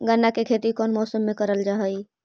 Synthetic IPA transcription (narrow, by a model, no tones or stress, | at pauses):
ɡənːakekʰet̪ikɔːnmɔːsəmːekəɾəld͡ʒaɦəj